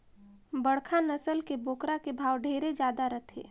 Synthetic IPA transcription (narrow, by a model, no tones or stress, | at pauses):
bəɽkʰanəsəlkeboːkɾakebʱaːwɖʱeːɾed͡ʒjaːd̪aɾət̪ʰḛː